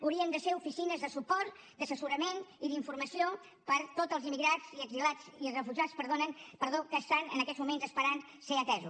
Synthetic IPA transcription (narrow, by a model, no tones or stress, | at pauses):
uwɾiənd̪əseufisinəzðəsupɔɾt̪ | d̪əsəsuɾəmeniðiɱfuɾməsio | pəɾt̪ot̪əlˠzimiɣɾaziəɡzilad͡ziəsrəfuʒaspəɾðonənpəɾðokəːst̪anə̰nəkɛzmumenzəspəɾan | seət̪ɛzu